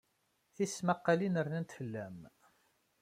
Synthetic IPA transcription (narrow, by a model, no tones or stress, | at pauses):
θismaqːalinəɾnænt̪fəlːæm